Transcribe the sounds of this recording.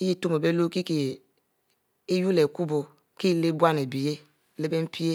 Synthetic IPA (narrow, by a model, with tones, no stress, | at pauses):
i˦ji˦to˦m˨e˨be˦lo˦ki˦ke˨ | e˦ju˦le˨ku˦bo˨ | ki˦˨le˦bʷa˦ne˨bi˨je˦˨ | le˦be˦m̩˦pi˦e˦